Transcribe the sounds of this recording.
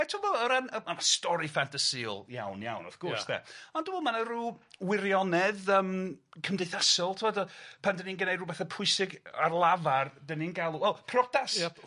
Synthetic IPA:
ɛtʰubɔəɾanəmamastɔɾifantʰasḭlˠja̰wnja̰wnɔ̰θɡ̥ʊrsðɛ̰ɔndubɔmanəruːwɪɾjɔnɛðəːmkʰəmdejθasɔlˠtʰɪvɔdpʰandəninɡənejdruːbɛθɛpʰʊɨsɪɡa̰rlˠavardəninɡalˠuwɛlˠpʰrɔdas

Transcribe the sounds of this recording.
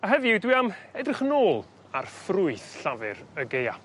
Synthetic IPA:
əɦɛviɪdwiamɛdrɪχənoːlˠ | arfrʊɨθɬavɨɾəɡeja̰

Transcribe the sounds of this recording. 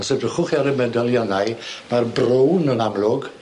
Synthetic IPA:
ɔsədəχʊχiaɾɛmɛdɔlˠjɔnajmarbrownənamlˠʊɡ

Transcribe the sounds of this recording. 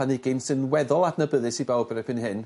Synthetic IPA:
anɪɡɪnsɨnwɛðɔlˠad̥nəbəðɨsivɛlˠbəɾɛpʰɪnɦɨn

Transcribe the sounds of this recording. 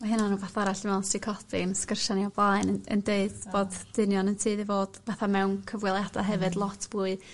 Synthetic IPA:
aɦɨnanuːvaθaaɾaɬmɛwnstʰikʰɔtɪnskərʃaniɔblˠaɨnə̰ndeɨd̥boːdd̥ɪnjɔnəntʰɨːðɨvoːd̥vaθamɛwnkʰəvwɪlˠjada̰ɦɛvɨdlˠɔtʰb̥uːɨ

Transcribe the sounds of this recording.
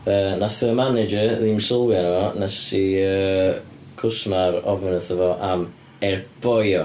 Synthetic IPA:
ənaθəəmanɪd͡ʒəðimsəlˠwjanəvɔnasiə | kʰʊsmaɾɔvənəθəvɔʔam | ɛrb̥ɔjɔ

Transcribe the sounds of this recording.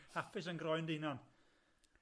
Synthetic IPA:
hafɪs̬ənɡɾɔjndinan

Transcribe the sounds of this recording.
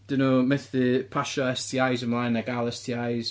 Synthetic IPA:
d̥onomɛθðipʰaʃɔɛstʰiajzəmlˠajnaɡalˠɛstʰiajz̥

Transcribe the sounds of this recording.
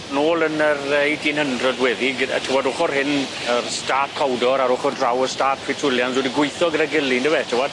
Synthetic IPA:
noːlˠənərejdinəndrɔdwɛðiɡ̰tʰɪwɔdʊχɔrhɪn | ərstaːtkʰawdɔɾaɾʊχɔrdrawəstaːtʰɪtʰʊlˠjanswɛdiɡwʊɨθɔɡəɾəɡɪlˠinəwɛtʰɪwɔd̥

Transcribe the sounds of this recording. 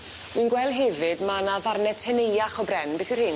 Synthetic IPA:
winɡwɛlˠdɦɛvɨdmanavarnɛtʰɛnejaχɔbrɛnbeθwɨrhɨn

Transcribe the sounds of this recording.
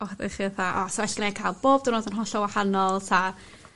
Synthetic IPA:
ɔχdḛχɪθaʔɔ̰swɛɬɡ̥əne̥kʰajlˠb̥oːb̥d̥ɪnoːdənɦɔɬɔwahanɔlˠtʰa

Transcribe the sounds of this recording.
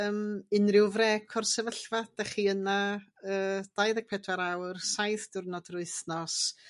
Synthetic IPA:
əmɪnrɪwvrɛkʰɔrsɛvəɬvad̥aχiənaəːd̥ajðaɡ̚pʰɛdwaɾawrsajθd̥ʊrnɔdrʊɨθnɔs

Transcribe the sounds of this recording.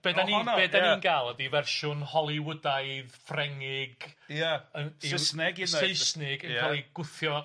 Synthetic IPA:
b̥eːdaninbeːdaninɡaːlˠəðivɛrʃʊnhɔlˠiwədaɨðfrɛŋɪɡjaəiəsnɪɡieɨsnɪɡəɛlˠiɡ̥ʊθjɔ

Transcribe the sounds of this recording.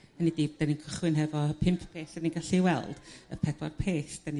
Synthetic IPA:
ənidɪːbd̥aninkʰəχwɨnɦɛvɔpʰɪmpʰpʰeːsaninɡaɬiwɛlˠd̥ə̰pʰɛdwa̰rpʰeːsd̥ani

